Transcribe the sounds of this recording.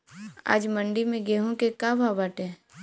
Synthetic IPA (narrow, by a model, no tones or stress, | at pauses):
a̰ːd͡ʒməɳɖimẽɡeːɦõkekababaːʈɛ̃ː